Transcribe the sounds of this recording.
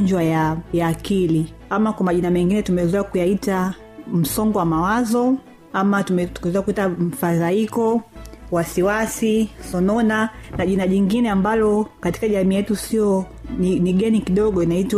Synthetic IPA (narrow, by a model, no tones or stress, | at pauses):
ɲd͡ʒwajajaːkili | amakwamaʄinamɛŋɡinɛtumɛɛzɛakujaita | m̩sɔŋɡɔwamawazɔ | amatumɛkuɛzɛakuitam̩fazaikɔwasiwasisɔnɔnanaʄinaʄiŋɡinɛambalɔkati̥kaʄamiːjɛtusiɔ | niniɡɛnikiɗɔɠɔinaitw